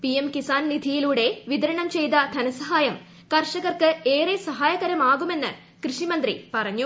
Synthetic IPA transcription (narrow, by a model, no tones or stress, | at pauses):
pijemkisaːnnid̪ʱijiluːɽe̞ʋid̪ɐɾɐɳɐmt͡ɕe̞jd̪ɐd̪ʱɐnɐsɐɦaːjɐm | kɐrʂɐɣɐrkɨeːresɐɦaːjɐɣɐɾɐmaːɣume̞nːɨ | krɨʂimɐnd̪rḭpɐrɐɲːu